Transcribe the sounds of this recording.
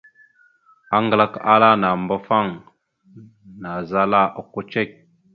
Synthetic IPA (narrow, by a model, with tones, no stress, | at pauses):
a˦ŋɡla˦˨ka˦la˦na˨mbo˦fa˦˨ŋ | na˨za˦la˦˨ʔo˨ko˦t͡ʃe˦˨k̚